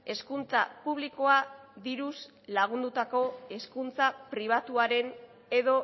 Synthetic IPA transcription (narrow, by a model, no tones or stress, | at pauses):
e̞skunt͡sapuβ̞liko̞aðiɾus | laɣ̞und̪ut̪ako̞e̞skunt͡sapɾiβ̞at̪uaɾe̞n | e̞ðo̞